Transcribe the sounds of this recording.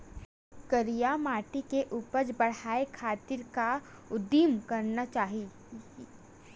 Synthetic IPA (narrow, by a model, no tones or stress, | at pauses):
kəɾijamaːʈikeʔuːpəɾd͡ʒbɐɽ̤aːekʰaːt̪ɪɾka | ʊd̪imkɐɾnat͡ʃaːɦi